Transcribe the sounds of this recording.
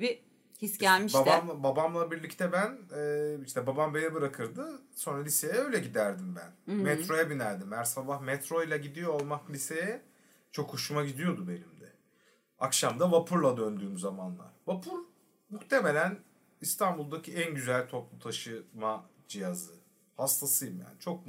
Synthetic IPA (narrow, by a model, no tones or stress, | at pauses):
bi | hisɟælʲmiʃbaambabamlˠabiɾlʲict̪ʰɛbænɛiʃt̪ʰɛbabambej̪ɛbɯɾakʰɯɾd̪ɯso̞nɾalʲisejɛøjlʲɛɟid̪æɾd̪imbæ̰nmɛt̪ɾo̞jɛbinæɾd̪imæɾsabahmɛt̪ɾo̞jlʲˠaɟid̪ijo̞ːlˠmaklʲisejɛ | t͡ʃʰo̞kʰːoʃumaɟid̪ijo̞d̪ube̞nimd̪ɛ | akʃamd̪avapʰuɾlˠad̪ønd̪yːmzamanlˠa̰ɾ̥vapʰuɾ | muxt̪ʰe̞me̞lʲæn | ist̪ʰanbulˠd̪acʰiænɟyzælʲt̪ʰo̞plˠut̪ʰaʃɯma | d͡ʒijazɯ | hast̪ʰasɯjɯmja̰ːnit͡ʃʰo̞k̚